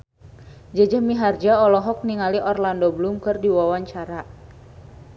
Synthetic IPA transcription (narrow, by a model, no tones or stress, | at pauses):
d͡ʒad͡ʒəmiɦard͡ʒaɔlɔɦɔk̚niŋaliʔɔrlandoblumkɨrdiwawaɲt͡ʃaɾa